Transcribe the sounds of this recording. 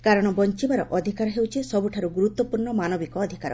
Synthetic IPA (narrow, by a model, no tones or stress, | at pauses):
kaɾɔɽ̃ɔbɔnt͡ʃibaɾɔʔɔd̪ʱikaɾɔɦewt͡ʃʰisɔbuʈʰaɾuɡuɾut̪ːwɔpuɾɳɔmanɔbikɔːd̪ʱikaɾɔ̰